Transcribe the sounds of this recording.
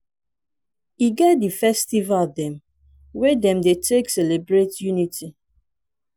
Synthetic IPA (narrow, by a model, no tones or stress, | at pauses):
iɡɛt̚difɛstivaldɛ̃m | wedɛ̃mdetʰeksɛlebɹetjunitʰi